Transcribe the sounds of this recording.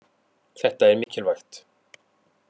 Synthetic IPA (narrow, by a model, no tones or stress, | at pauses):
k̪ʰɛht̪ːaɛɾmɪcʰːɪlvaxt̪